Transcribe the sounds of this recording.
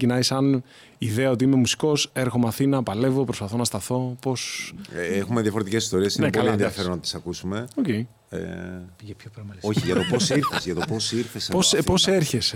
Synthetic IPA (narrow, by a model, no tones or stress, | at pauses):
cinɐisɐn | iðeɐo̞t̪iime̞musi̥ko̞se̞ɾxo̞mɐθinɐpɐle̞vo̞pɾospɐθo̞nɐst̪ɐθo̞po̞s | exumeðjɐfoɾet̪ice̞si̥st̪o̞ɾiesinepoɐlienðjɐfe̞ɾonɐt̪i̥sɐkusume̞ocei | ḛʝepçopɾoçiʝɐt̪o̞posiɾθesʝɐt̪oposiɾθespospo̞seɾçe̞s